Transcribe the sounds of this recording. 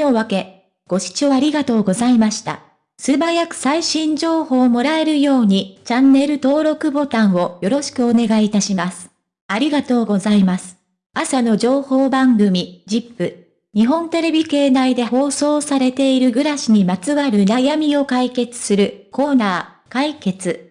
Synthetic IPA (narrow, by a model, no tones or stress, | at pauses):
oβake̞ | ɡ̥o̞ɕi̥t͡ɕoaɾʲiɡat̪o̞ːɡo̞zaimaɕi̥t̪a̰ | sɨbajakɯ̟̥saiɕĩɲ̟d͡ʑo̞ːho̞ːmo̞ɾae̞ɾɯ̟jo̞ːɲ̟it͡ɕanːe̞ɾɯ̟t̪o̞ːɾo̞kɯ̟bo̞t̪ãɰ̃o̞jo̞ɾo̞ɕi̥kɯ̟o̞ne̞ɡait̪aɕimasɨ̥ | aɾʲiɡat̪o̞ːɡo̞zaimasɨ̥ | asano̞ʑo̞ːho̞ːbãŋɡɯ̟mʲid͡ʑipːɯ̟ | ɲ̟iɦõ̞nt̪e̞ɾe̞bʲike̞ːnaid̪e̞ho̞ːso̞ːsaɾe̞t̪e̞iɾɯ̟ɡɯ̟ɾaɕiɲ̟imat͡sɨβaɾɯ̟najamʲio̞kaike̞t͡sɨ̥sɨɾɯ̟ko̞ːnaː | kaike̞t͡sɨ